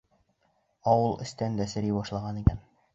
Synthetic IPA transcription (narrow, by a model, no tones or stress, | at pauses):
ɒwɤlˠʔɘ̆st̪ænd̪æsɘ̆ɾibɒʃlˠɑʁɑnikæn